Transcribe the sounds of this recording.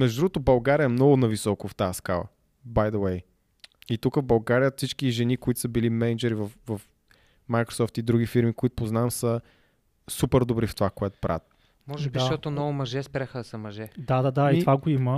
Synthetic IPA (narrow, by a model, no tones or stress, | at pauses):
mɛʒd̪ʊd̪ɾuɡot̪obɐlˠɡaɾiəɛmnɔɡʊnɐvisɔkoft̪aəskalˠə̰ | bajd̪əwɛj | it̪ukəvbɐlˠɡaɾijəfsit͡ʃkiʒɛnikoit̪ʊ̥səbilimɛnɛd͡ʒɛɾivɐfvɐf | majkɾo̥sɔft̪id̪ɾuɡifiɾmikoit̪o̥poznamsə | supɛɾd̪obɾift̪ovakoɛt̪ʊ̥pɾa̰t̪̚ | mɔʒɛdbiʃaʃt̪ɔt̪onɔvʊmɐʒɛspɾaxəd̪ɐsəmɐʒɛd̪ad̪ad̪ait̪vaɡoimə